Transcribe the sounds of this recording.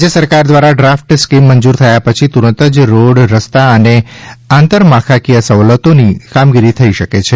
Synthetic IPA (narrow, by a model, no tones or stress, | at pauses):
d͡ʒesəɾkaɾd̪ʋaɾaɖɾafʈskimːənd͡ʒuɾt̪ʰəjapət͡ʃʰit̪uɾə̃nt̪əd͡ʒɾoɽɾəst̪aəneãnt̪əɾmãkʰakijasəʋlət̪onikamɡiɾit̪ʰəiʃəket͡ʃʰe